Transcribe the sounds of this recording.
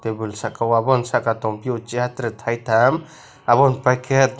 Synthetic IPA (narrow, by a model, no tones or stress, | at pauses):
t̪ebulsaʔkawabɔnsaʔkat̪ɔmpiɔt͡ʃihat̪ɾɛt̪ʰajt̪ʰam | abɔnpajkʰɛt̪